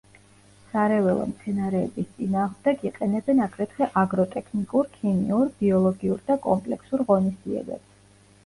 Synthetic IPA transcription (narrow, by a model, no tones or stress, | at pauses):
saɾɛvɛlˠɔ̰mt̪sʰɛnaɾɛ̰ːbist̪sʼinaːʁmd̪ɛkiqʼɛnɛbɛnaɡɾɛt̪ʰχɛʔaɡɾɔt̪ʼɛkʰnikʼuɾkʰimḭuɾbiɔlˠɔɡiuɾd̪akʼɔmpʼlɛksuɾʁɔnisd̪ziɛ̰bɛ̰bs